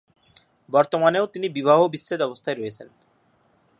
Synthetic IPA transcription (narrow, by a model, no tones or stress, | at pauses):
bɔɾt̪omaneot̪inibibaɦobisːed̪ɔbost̪ʰaeɾɔet͡ɕʰen